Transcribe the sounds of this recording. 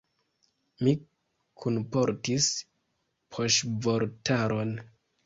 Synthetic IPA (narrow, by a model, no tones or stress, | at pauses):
mi | kʰunpo̞ɾtis | pʰoʃvoɾtʰaɾʔon